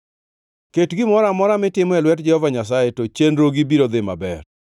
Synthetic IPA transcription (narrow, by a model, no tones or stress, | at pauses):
ketɡɪmɔɾamɔɾamɪtɪmɔɛlwɛtd͡ʒɛhɔvaɲas̬ajetot͡ʃenɾoɡibiɾod̪ɪma̰bɛr